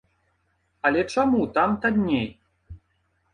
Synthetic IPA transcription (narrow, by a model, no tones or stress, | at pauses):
ɐlʲɛt͡ʂamut̪amt̪ad̪ʲnʲej